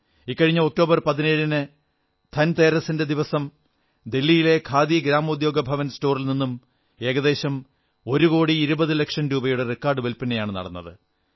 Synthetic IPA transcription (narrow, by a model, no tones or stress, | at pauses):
ikːɐɻiɲːɐok̚ʈo̞ːbɐrpɐðineɻinɨ | t̪ʰɐnt̪eːɾɐsinde̞d̪iʋɐsɐm | d̪e̞lːijile̞kʰaːd̪iɡɾaːmɐud̪jo̞ːɡɐbʱɐʋɐnsto̞ːrilninːum | e̞ːɡɐðe̞ːɕɐm | o̞ɾuɣo̞ːɽiːɾubɐðɨlekʂɐnɾuːbɐjuɽe̞rekːaːrɖɨʋelpinejaːɳɨnɐ̰ɽɐnːɐðɨ